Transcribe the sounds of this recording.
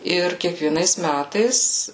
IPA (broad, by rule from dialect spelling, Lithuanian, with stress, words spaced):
ˈɪr kʲiɛkʋʲiɛˈnɐɪs ˈmʲætɐɪs